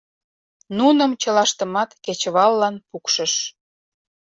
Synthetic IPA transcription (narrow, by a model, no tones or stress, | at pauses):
nunəmt͡ɕəlɑʃt̪əmɑt̪ket͡ɕəβɑlːɑnpukʃə̆ʃ